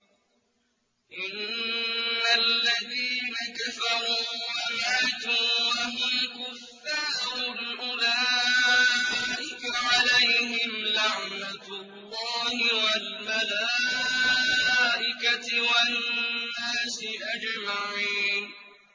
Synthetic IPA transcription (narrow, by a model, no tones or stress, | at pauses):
ʔɪnː | alːaðiːnakafɑɾˤuːwamaʕt̪uːwaɦikʊfːaːɾʊlʔʊlaː | ʔɪkaʕalajɦɪmlaʕnat̪lːɑːhɪwalmalaː | ʔɪkawaː | aːsɪʔad͡ʒmaʕiːn